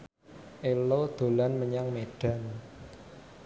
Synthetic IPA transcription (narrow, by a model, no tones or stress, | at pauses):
ʔelod̪̥o̤lanməɲaŋmeɖ̥a̤n